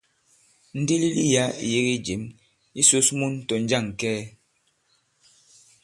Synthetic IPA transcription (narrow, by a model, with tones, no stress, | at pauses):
n̩˦di˦li˦li˦ja˦ḭ˨je˦ɣi˦d͡ʒi˨˦m | i˦so˦smu˦n˦tɔ˨n̩˦d͡ʒa˦˨ŋ˨kɛː˦